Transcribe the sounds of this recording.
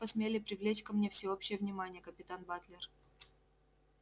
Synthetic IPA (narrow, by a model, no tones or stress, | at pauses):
pəsmʲelʲɪpɾʲɪvlʲet͡ɕkɐmnʲefsʲɪopɕːɪjəvnʲɪmanʲɪjəkəpʲɪt̪anbat̪lʲɪr